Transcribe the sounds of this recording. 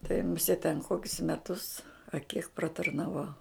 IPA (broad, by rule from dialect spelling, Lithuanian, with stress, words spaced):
tɐɪ mʊˈsʲeːt tʲɛn ˈkoːkʲʊs mʲɛˈtʊs ɐ kʲiɛk prɐtɐrnɐˈʋɐʊ